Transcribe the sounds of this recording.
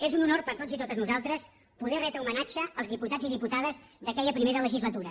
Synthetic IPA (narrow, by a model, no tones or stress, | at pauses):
ezununorpəɾt̪ozit̪ot̪əznuzalˠt̪ɾəs | puðɛrɛt̪ɾəumənat͡ʃəəlˠzðiput̪aziðiput̪aðəzd̪əkɛʎəpɾimeɾələʒizlət̪uɾə